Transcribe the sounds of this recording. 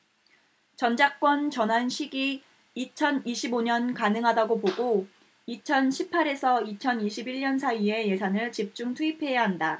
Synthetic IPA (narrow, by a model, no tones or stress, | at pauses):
t͡ɕʌnd͡ʑak̚k͈wʌnt͡ɕʌnɦanɕʰiɡiː | t͡ɕʰʌniɕʰiboɲʌnkanɯŋɦadaɡopoɡo | it͡ɕʰʌnɕʰipʰːaɾe̞sʰʌit͡ɕʰʌniɕʰibiɭɲʌnsʰaie̞je̞sʰanɯɭt͡ɕip̚t͡ɕ͈uŋtʰuipʰe̞jaɦanda